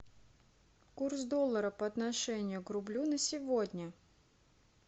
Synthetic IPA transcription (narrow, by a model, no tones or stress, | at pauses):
kursd̪olˠːəɾəpəɐt̪nɐʂɛnʲɪjʊkrʊblʲunəsʲɪvodʲnʲə